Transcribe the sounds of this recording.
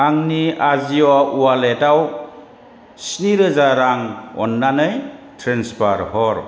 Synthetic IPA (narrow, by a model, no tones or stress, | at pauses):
aŋniaziɔualetaw | sniɾɯzaɾaŋɔ̰nːanɯjtʰɾenspaɾhɔɾ